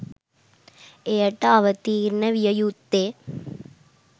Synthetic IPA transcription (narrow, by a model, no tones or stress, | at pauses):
eːʈːaːʋɐt̪iːɾnɐʋijɐjut̪ːeː